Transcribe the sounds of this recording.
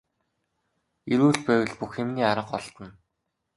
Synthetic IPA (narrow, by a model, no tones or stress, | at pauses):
eɾuːɮpæːwɘ̆ɮpuxemniːaɾə̆qɔɮt̪ə̆n